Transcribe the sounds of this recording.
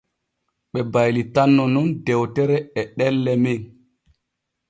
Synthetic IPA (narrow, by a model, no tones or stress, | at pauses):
ɓɛbajlitanːɔnundɛwtɛɾɛɛɗɛlːɛmiŋ